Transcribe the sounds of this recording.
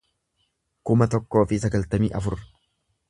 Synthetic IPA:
kʊmɐt̪ɔkːo̞ːfɪsɐɡɐlt̪ɐmiːʔɐfʊɾɐ

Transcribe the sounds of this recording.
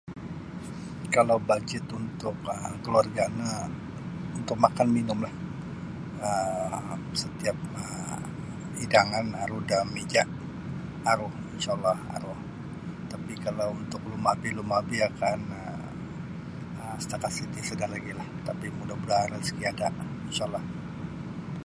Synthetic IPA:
kalawbad͡ʒɪt̪unt̪ʊkəkəluarɡana | unt̪ʊk̚makanminʊmlah | əmsət̪iap̚ə | idaŋanaɾuhdamid͡ʒaʔ | aɾʊhinsalːɑha̰ɾʊh | t̪apikalawunt̪ʊklumabilumabiakanə | əmsə̥t̪akat̪sit̪isədaŋlaɡilaht̪apimudabəlaɾaskiadaʔinʃalːɑh

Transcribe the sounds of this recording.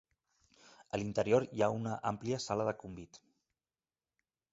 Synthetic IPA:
əlint̪əɾioɾjaunəʔampliəsaləðəkumbit̪

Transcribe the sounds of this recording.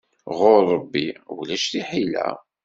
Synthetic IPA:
ʁʊɾˤːəbːiwlæʃθiħilæ̰

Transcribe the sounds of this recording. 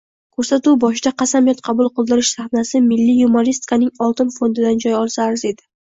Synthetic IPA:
kʲʰɵɾsat̪uwbɒʃɪd̪aqʰɑsamjɒt̪qʰɑbʊlˠqʰɨlˠd̪ɪɾɪʃsaχnasɪmɪlːɪjumoɾist̪kʰanɪŋɒlˠt̪ɪnfond̪ɪd̪and͡ʒɒjɒlˠsaːɾze̞d̪ɪ

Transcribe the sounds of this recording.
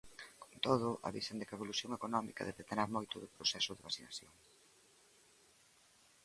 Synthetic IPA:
ko̥nt̪oð̞ʊʔa̰βisend̪ɪkaeβoluθjoŋekonɔmḭkɐ̰ðɛβet̪enaɾmojt̪ʊðʊpɾosɛsʊðeβasinaθjoŋ

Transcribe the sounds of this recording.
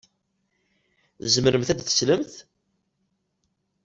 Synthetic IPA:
θzəmɾəmθæd̪θə̥sləmθ

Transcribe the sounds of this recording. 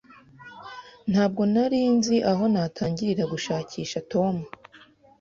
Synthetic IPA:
n̥haːb̚ɡo̞naɾiːnziʔaɦo̞naːtʰaːɲɟiɾiɾaɡuʃaːcʰiːʃato̞mu

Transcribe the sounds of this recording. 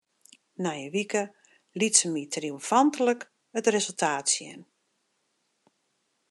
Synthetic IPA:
najəʋikə | litsəmitriumfantələk | ətrezəlˠtʰaːtsjɛ̰n

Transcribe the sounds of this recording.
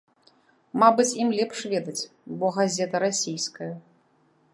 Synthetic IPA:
mabɨt͡sʲimlʲɛpʂvʲɛd̪ɐt͡sʲbɔɣazʲɛt̪ɐɾasʲijskɐjɐ

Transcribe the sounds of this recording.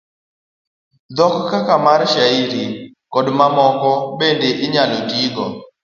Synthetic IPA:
d̪ɔkkakamaɾʃaiɾi | kɔdmamɔkɔbendeʔɪɲalotiɡɔ

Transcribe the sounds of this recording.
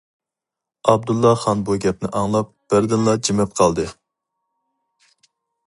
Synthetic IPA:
ɑb̚d̪ulˠːɑχɑnbuɡʲɛp̚nɪʔɑŋlˠɑp̚ | b̥ɪɾd̪ɪnlˠɑd͡ʒimɛp̚qʰɑlˠd̪ɨ

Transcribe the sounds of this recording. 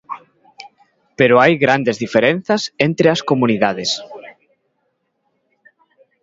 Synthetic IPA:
peɾoajɣɾand̪ezðifeɾen̟θɐsent̪ɾeɐskomuniðaðes

